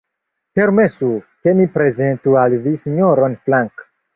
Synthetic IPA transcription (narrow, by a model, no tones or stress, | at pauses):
pe̞ɾmesuke̞mipɾezentualvisiɲoɾonflaŋk